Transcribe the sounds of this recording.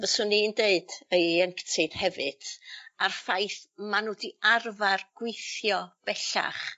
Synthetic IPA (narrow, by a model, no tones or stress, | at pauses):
vəsʊnindeɨd̥ejɛŋktʰɪd̥hɛvɨd̥arfajθmanudiarvarɡ̥wɪjθjɔv̥ɛɬa̰χ